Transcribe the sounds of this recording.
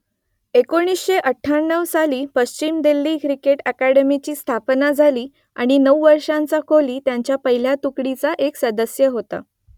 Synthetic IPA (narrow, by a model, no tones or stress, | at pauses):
ekoɽ̃isɕeʔəʈʰːaɳːəʋsaliːpəst͡ɕimd̪elːiːkɾikeʈækæɽemit͡ɕiːst̪ʰapnad͡zʱaliː | a̰ɽ̃inəwʋəɾʂãnt͡sakʰoliːt̪jaɲt͡ɕjapəɦil̤jat̪ukɽit͡saʔeksəd̪əsjəɦot̪a̰